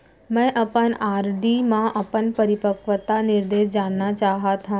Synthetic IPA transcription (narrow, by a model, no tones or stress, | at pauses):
mɛ̃ʔɐpənaːɾɖimãʔɐpənpɐɾɪpəkʋət̪anɪɾd̪eːʃd͡ʒaːnːat͡ɕaːɦat̪ʰã